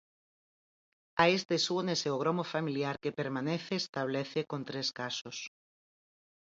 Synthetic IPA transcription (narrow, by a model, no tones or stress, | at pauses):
aest̪esuneseoɣ̞ɾomofamiljaɾkepeɾmaneθeːst̪aβ̞leθekont̪ɾeskasos